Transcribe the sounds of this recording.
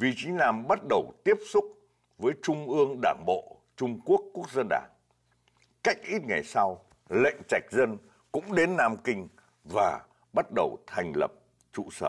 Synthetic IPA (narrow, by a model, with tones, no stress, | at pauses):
vḭ˧˨t͡ɕi˨˦laː˨˩mɓa˦˥t̚ɗə˨˩wt̪i˦˥əp̚sʊ˦˥k͡p̚ | vəː˨˦jt͡ɕʊ˧ŋ͡mʔɨ˧əŋɗaː˧˩nɓo̰˧˨ | t͡ɕʊ˧ŋ͡mku˦˥əkːu˦˥ək̚zə˧nɗa̰ː˧˩n | ka˦˥jk̟̚ʔi˦˥t̚ŋa˨˩jsa˧w | lə̰˧˨jŋ̟t͡ɕa˨˩jk̟̚zə˧n | kʊ̰˧˥ŋ͡mɗe˨˦nːaː˧mkï˧ŋ̟ | vaː˨˩ | ɓa˦˥t̚ɗə˨˩wt̪ʰa˨˩jŋ̟lə̰˨˩p̚ | t͡ɕṵ˧˨səː˧˩